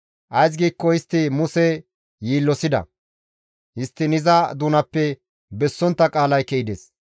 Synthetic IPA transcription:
ʔɐjs̬ɡiːkːɔhɪst̪ːɪmʊsɛ | jiːlːɔsɪd̪ɐ̰ | hɪst̪ːɪnɪzɐd̪uːnɐpːɛ | bɛsːɔnt̪ːɐkʼaːlɐjkɛʔɪd̪es

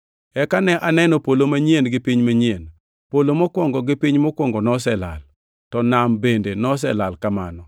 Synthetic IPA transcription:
ɛkanɛʔanɛnɔpolomaɲienɡɪpiɲmaɲien | polomɔkwɔŋɡɔɡɪpiɲmɔkwɔŋɡɔnɔsɛla̰l | tɔnambendenɔs̬ɛlalkama̰nɔ

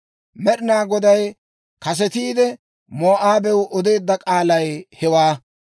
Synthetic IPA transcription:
mɛɗɪnaːɡɔd̪ɐj | kɐs̬ɛt̪iːd̪ɛ | moːʔaːbɛwʔɔd̪e̞ːd̪ːɐkʼaːlɐjhɛwaː

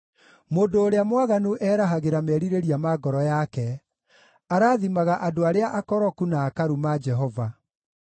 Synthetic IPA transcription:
moːndoːɾeamwaɣanuʔɛːɾaɦaɣeɾamɛːɾiɾeɾiamaɡɔɾɔjakɛ | aɾaːðimaɣaʔadoaɾeaʔakɔɾɔkunaːkaɾumad͡ʒɛɦɔva

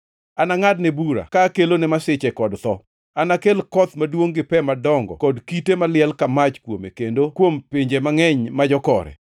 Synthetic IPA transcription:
anaŋadnɛbuɾa̰kaːkelonɛmasɪt͡ʃɛkɔdt̪ɔ | anakelkɔt̪madwoŋɡɪpɛmadɔŋɡɔ̰kɔdkitemalɪɛlkamat͡ʃkwomḛkendokwompiɲd͡ʒemaŋɛɲmad͡ʒɔkɔ̰ɾɛ̰

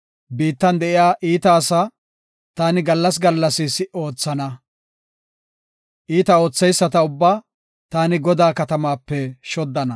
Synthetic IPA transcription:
biːt̪ːɐnd̪ɛʔɪjaːʔiːt̪ɐːsɐ | t̪aːnɪɡɐlːɐs̬ɡɐlːɐsɪsɪʔo̞ːt͡sːɐnɐ | ʔiːt̪ɐo̞ːt͡sːɛjsːɐt̪ɐʊbːaː | t̪aːnɪɡɔd̪aːkɐt̪ɐmaːpːɛʃɔd̪ːɐnɐ

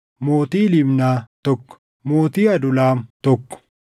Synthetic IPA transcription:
moːt̪iːlɪbnaːt̪ɔkː | moːt̪iːɐd̪ʊlaːmt̪ɔkːɔ̥

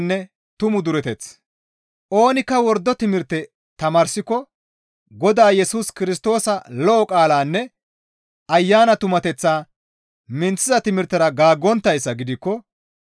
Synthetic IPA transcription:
nːɛ | t̪ʊmʊd̪ʊɾɛt̪ɛt͡s | ʔo̞ːnɪkːɐwɔɾd̪ːɔt̪ɪmɪɾt̪ːɛ | t̪ɐmaːɾsɪkːɔ | ɡɔd̪aːjɛsuːskɪɾɪs̬t̪o̞ːsɐlɔʔɔkʼaːlaːnːɛ | ɐjːaːnɐt̪ʊmɐt̪ɛt͡sːaː | mɪnt͡sːɪzɐt̪ɪmɪɾt̪ːɐɾɐɡaːɡːɔnt̪ːɐjsːɐɡɪd̪ɪkːɔ

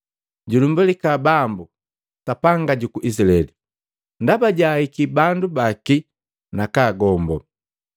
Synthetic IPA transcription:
ɟulumbulikabambu | tapaŋɡaɟukuʔisilaɛɛli | ndabaɟahikibandubaki | nakaːɡɔmbɔ

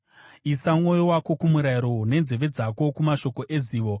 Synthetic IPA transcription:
isamŋo̞jowako̞kumuɾaiɾone̞nze̞ʋe̞d͡zako̞kumaʃo̞ko̞ʔeziːʋo̞

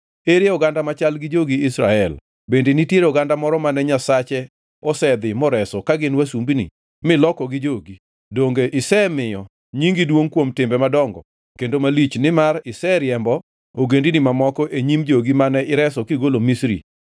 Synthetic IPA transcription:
eɾeɔɡandamat͡ʃalɡɪd͡ʒoɡiɪsɾaɛl | bendenitjeɾɔɡandamɔɾɔmanɛɲasat͡ʃɛ | ɔsɛd̪ɪmɔɾɛsɔkaɡɪnwasumbinḭ | mɪlɔkɔɡɪd͡ʒoɡi | doŋɡeʔɪsɛmɪjɔ | ɲiŋɡidwoŋkwomtɪmbɛmadɔŋɡɔ̰ | kendomalit͡ʃnɪmarɪsɛɾjɛmbɔ | oɡendinimamɔkɔʔeɲimd͡ʒoɡimanɛɪɾɛsɔkɪɡolomisɾḭ

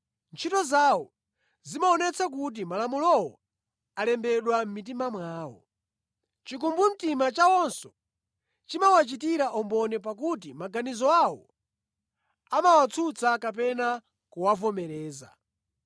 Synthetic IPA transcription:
nt͡ʃʰitɔzaːwɔ | zimaɔnɛt͡sʰak̬ut̬imalamulɔwɔ̰ | alɛmbɛɗwam̩mit̬imamwaːwɔ̰ | t͡ʃik̬umbum̩timat͡ʃawɔnsɔ̥ | t͡ʃimawat͡ʃitiɾaʔɔmbɔnɛp̬ak̬ut̬imaɡanizɔawɔ | amawat͡sʰut͡sʰakap̬ɛna | kuwavɔmɛɾɛːza̰

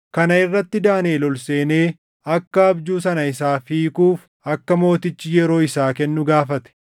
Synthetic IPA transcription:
kɐnɐɪrːɐt̪ːɪd̪aːneːlɔlseːne̞ː | ɐkːɐɐbd͡ʒuːsɐnɐɪsaːfiːkuːf | ɐkːɐmo̞ːt̪ɪt͡ʃːɪjɛɾo̞ːɪsaːkɛnːʊɡaːfɐt̪ɛ̥

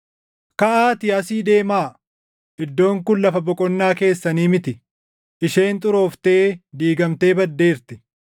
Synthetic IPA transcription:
kɐʔaːt̪ɪɐsiːd̪e̞ːmaː | ɪd̪ːo̞ːŋkʊnlɐfɐbɔkʼɔnːaːke̞ːsːɐniːmɪt̪ɪ | ʔɪʃe̞ːnt̪ʼʊɾo̞ːft̪eːd̪iːɡɐmt̪e̞ːbɐd̪ːe̞ːɾt̪ɪ

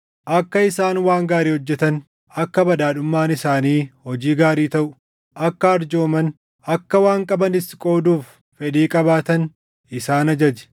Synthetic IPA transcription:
ʔɐkːɐɪsaːnwaːŋɡaːɾiːhɔd͡ʒːɛt̪ɐn | ɐkːɐbɐd̪aːᶑʊmːaːnɪsaːniːhɔd͡ʒiːɡaːɾiːt̪ɐʔʊ̥ | ʔɐkːɐɐɾd͡ʒo̞ːmɐn | ɐkːɐwaːŋkʼɐbɐnɪskʼo̞ːd̪uːfː | ɛd̪iːkʼɐbaːt̪ɐn | ʔɪsaːnɐd͡ʒɐd͡ʒɛ̥

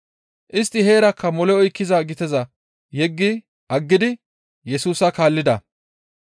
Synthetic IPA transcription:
ʔɪst̪ːɪɦeːɾɐkːɐmɔlɛɔjkːɪzaːɡɪt̪ɛzɐ | jɛɡːɪ | ʔɐɡːɪd̪ɪ | jɛsuːsɐkaːlːɪd̪ɐ

